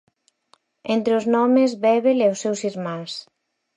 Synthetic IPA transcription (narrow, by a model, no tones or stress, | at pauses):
ent̪ɾeʊznɔmɪzβɛβelɛosːewsiɾmãs